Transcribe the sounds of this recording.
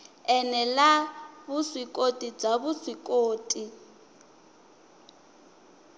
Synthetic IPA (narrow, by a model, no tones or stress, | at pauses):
ɛnɛlaβuswikʼotʼib͡ʐaβuswikʼoːtʼi